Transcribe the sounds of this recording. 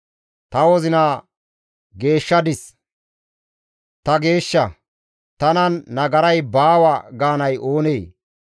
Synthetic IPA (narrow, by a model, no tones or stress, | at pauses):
t̪ɐwɔzɪna | ɡe̞ːʃːɐd̪ɪs | t̪ɐɡe̞ːʃːɐ | t̪ɐnɐnːɐɡɐɾɐjbaːwɐɡaːnɐjʔo̞ːneː